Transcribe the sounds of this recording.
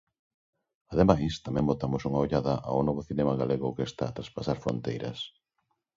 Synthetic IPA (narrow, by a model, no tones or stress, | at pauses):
aðemajst̪amɛ̃ŋbot̪amosuŋaoʎaðɐʔa̰wnɔβ̞oθinɛmaɣaleɣʊkest̪a̰ːt̪ɾaspasaɾfɾo̰nt̪ejɾɐ̰s